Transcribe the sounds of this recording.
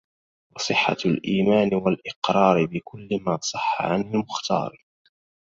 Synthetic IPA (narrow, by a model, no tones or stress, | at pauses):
wɑsˤɨħːa̰lʔiːmaːnɪwalʔɪqɾˤɑːɾɪbɪkʊlːɪmaːsˤɑħːa̰ʕanalmʊxt̪ɑ̰ːɾˤ